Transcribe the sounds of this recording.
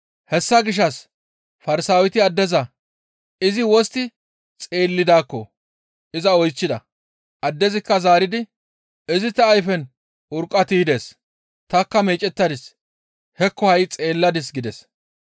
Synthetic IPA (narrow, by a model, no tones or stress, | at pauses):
hɛsːɐɡɪʃ̬ːɐs | fɐɾɪsaːwɪt̪ɪɐd̪ːɛzɐ | ɪzɪwɔst̪ɪ | t͡sʼe̞ːlːɪd̪aːkːɔ | ɪzɐɔjt͡ʃːɪd̪ɐ | ʔɐd̪ːɛzɪkːɐzaːɾɪd̪ɪ | ɪzɪt̪ɐːjfɛn | ʊɾkʼːɐt̪iːd̪e̞ːs | t̪ɐkːɐmeːt͡ʃʼɛt̪ːɐd̪ɪs | hɛkːɔhɐjt͡sʼe̞ːlːɐd̪ɪs̬ɡɪd̪ɛs